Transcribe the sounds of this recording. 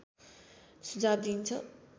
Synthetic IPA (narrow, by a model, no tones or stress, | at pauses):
sud͡zaːbd̪iːnt͡sʰʌ̰